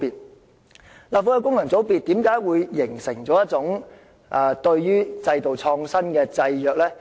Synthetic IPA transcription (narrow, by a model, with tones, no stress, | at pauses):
piː˨t̚ | laː˨p̚fɔː˧jɐ˨˧wkʊ˥ŋlɐ˨˩ŋt͡so˨˥wpiː˨t̪ːiː˨˥mkaː˨˥jwuː˨˧jːɪ˨˩ŋsɪ˨˩ŋt͡sɔː˨˥jɐ˥t̚t͡sʊ˨˥ŋ | ʔaː˨˧t̪ɵ˧ɥjyː˥t͡sɐ˧jt̪o˨wt͡ʃʰɔː˧ŋsɐ˥nkɛː˧t͡sɐ˧jjœː˨k̚lɛː˥